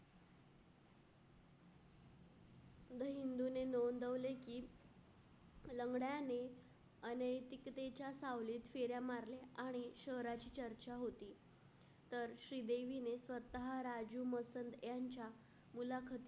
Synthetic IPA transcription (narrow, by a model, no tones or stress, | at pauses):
d̪əɦind̪unenond̪əʋlekiː | ləŋɡɽjane | ənəjt̪ikt̪et͡ɕjasaʋliːt̪feɾjamaɾleaɽ̃iɕəɦɾat͡ɕiːt͡ɕəɾt͡ɕaɦot̪iː | t̪əɾɕɾiːd̪eʋinesʋət̪aɦaɾad͡ʑuməsənd̪jaɲt͡ɕja | mulakʰət̪i